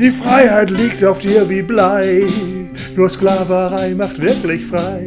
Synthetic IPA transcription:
d̥ifʁaɪhɛɪtlɪɡ̚t̪afd̥̪iʋiblaɪ | nɔsklɑːvəʁaɪmaχt̪ʋɪʁkəl̩ɪçfʁaɪ

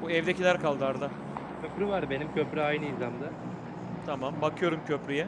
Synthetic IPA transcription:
buɛvd̪ecilʲæɾkʰalˠd̪ɯaɾd̪a | cʰøpɾyvaɾbe̞nimcʰøpɾyajnɯinzamd̪a | t̪ʰamambakʰɯjo̞ɾumcʰøpɾyjɛ

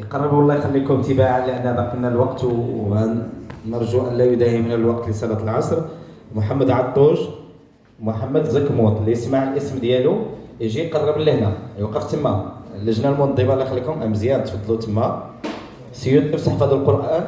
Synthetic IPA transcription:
jqɑrˤːəbuwɑlˤːɑjxælːikʊmt̪əbaʕalːiʔənːæbɑqinælwɑqt̪ænːəɾˤʒuʔənlæjud̪æhimnəlwɑqt̪ɾisælæt̪əlʕɑsˤɾˤ | mʊħamːəd̪ʕɑt̪ˤːuʒ | mʊħamːəd̪zəkmut̪ˤlijəsmaʕəlʔəsmd̪jælujʒijqɑrˤːəbəlːəhnæjwɑqːəft̪əmːæləʒnælmʊnd̪ˤːibɑlːæxælːikʊmʔæ̰mːzjɑɾt̪fɑd̪ˤlut̪ʰəmːæ | sijʊnt̪əbsˤɑħfɑd̪əlqoɾʔæn

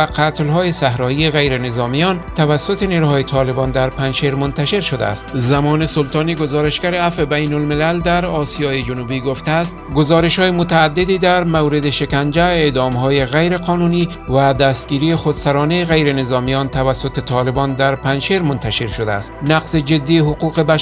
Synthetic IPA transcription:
aqʰat̪lɦɔːjesahɾɒieɣajɾenezɒːmijɒnt̪ʰavasːʊt̪eniɾuhɒjet̪ʰɒlebɒnd̪aɾpanʃeɾmʊnt̪aʃeɾʃod̪a̰ːst̪zamɔːnesʊlt̪ɒːniɡozɒːɾeʃɡaɾeafebajnʊlmɪlald̪aɾɒsijɒːjed͡ʒʊnubiɡoft̪aːst̪ɡozɒːɾeʃhɒːjemʊt̪aːd̪ːed̪iːd̪æɾmawɾed̪eʃekand͡ʒæed̪ɒːmɦɔːjeɣæjɾeqʰɒːnuniː | vad̪æst̪ɡ̥iːɾijexod̪saɾɒːneeɣajɾenezɒmijɒnt̪ʰavæsːot̪et̪ʰɒːlebɒnd̪aɾpanʃeɾmʊnt̪ʰaʃeɾʃod̪a̰ːst̪naqzed͡ʒed̪ːiɦʊquqeba

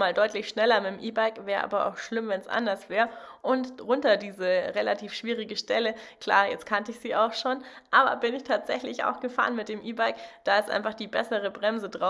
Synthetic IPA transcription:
maːldɔʏtlɪçʃnɛlɐmɪtmʔiːbaɪkvɛːɐʁə̰ʔa̰ːbɐʔa̰ʊxʃlɪmvɛnsʔa̰ndɐsv̥ɛːɐʁəʔʊntʁʊntɐdiːzəʁelatʰiːfʃv̥iːʁ̞ɪɡəʃtɛləkʰl̥a̰ːɐjɛt͡stkʰantəɪçz̥iːaʊxʃoːnʔaːbɐ̰bɪnɪçtʰaːtz̥ɛçlɪça̰ʊxɡ̥əfa̰ːʁənmɪt̚d̥eːmʔiːbaɪkd̥aːɪstʔa̰ɪnfaχd̥iːbɛsəʁ̞əbʁɛmzədʁaʊ

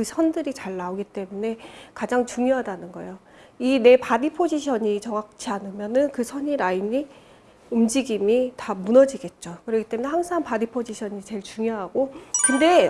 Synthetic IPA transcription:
kɯsʰʌndɯɾit͡ɕaɭːaoɡit͈e̞mune̞kad͡ʑaŋt͡ɕuŋjoɦadanɯnɡʌejo | ine̞padipʰod͡ʑiɕʰʌɲit͡ɕʌŋak̚t͡ɕʰianɯmjʌnɯnkɯsʰʌɲiɾaiɲi | umd͡ʑiɡimitamunʌd͡ʑiɡe̞t̚t͡ɕ͈okɯɾʌɡit͈e̞mune̞haŋsʰaŋpadipʰod͡ʑiɕʰʌɲit͡ɕe̞ɭt͡ɕuŋjoɦaɡokɯnde̞

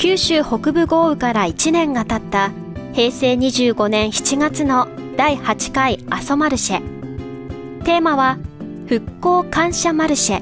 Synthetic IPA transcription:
kʲɨːɕɨːho̞kɯ̟bɯ̟ɡo̞ːɯ̟kaɾait͡ɕinẽ̞ŋɡat̪at̪ːa | he̞ːse̞ːɲ̟iʑɨːɡo̞nẽ̞ɰ̃çi̥t͡ɕiɡat͡sɨno̞d̪̥aihat͡ɕi̥kaiaso̞maɾɯ̟ɕe | t̪e̞ːmaβa | ɸɯ̟kːo̞ːkãɰ̃ɕamaɾɯ̟ɕe

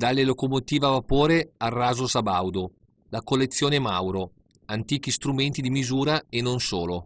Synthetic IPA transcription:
d̪alːelokomot̪iːvavapoːɾearːaːzosabawd̪o | lakolːet̪sːjoːnemawɾo | ant̪iːk̟ist̪ɾument̪id̪imizuːɾaenːonsoːlo

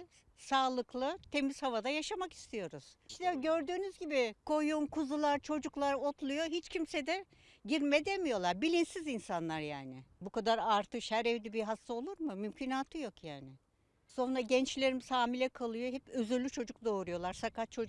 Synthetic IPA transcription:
saːlˠɯklˠɯt̪ʰe̞miz̥havad̪ajaʃamaki̥st̪ʰijo̞ɾuz̥ʃt̪ɛɟø̞ɾd̪yːnyzɟibikʰo̞jumkʰuzulˠaɾt͡ʃʰo̞d͡ʒuklˠaɾo̞t̪ʰlˠujo̞ɦit͡ʃcʰimsed̪ɛ | ɟiɾmed̪emijo̞lˠaɾbilʲinsizinsanlˠaɾja̰ːnɪbukad̪aɾaɾt̪ɯʃhæɾɛvd̪ibiɦast̪ao̞lˠuɾmɯmymcʰinaːt̪ʰɯjo̞kʰjaːnɪ | so̞nɾaɟɛnt͡ʃlʲe̞ɾimsaːmilʲɛkʰalˠɯjo̞ɦɛpøzylːʲyt͡ʃʰo̞d͡ʒuk̚d̪o̞ːɾujo̞lˠaɾsakat͡ʃʰo̞

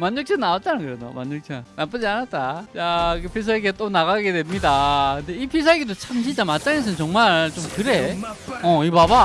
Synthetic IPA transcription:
manːʌk̚t͡ɕʰanaot̚t͡ɕ͈anakɯɾedo̰manːʌk̚t͡ɕʰanap͈ɯd͡ʑianat̚t͈ajakɯpʰis̬ʰaeɡiat͈onaɣaɡe̞dwe̞mɲidakɯnde̞ipʰis̬ʰaɡidot͡ɕʰamɕʰit͡ɕ͈amat̚t͈t͡ɕ͈aŋes̬ʰʌnt͡ɕʌŋmaɭɭt͡ɕ͈omkɯɾe̞ʌibaba

